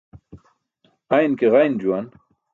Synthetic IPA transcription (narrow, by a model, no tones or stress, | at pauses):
ɐjnkeʁɐjnd͡ʑuwan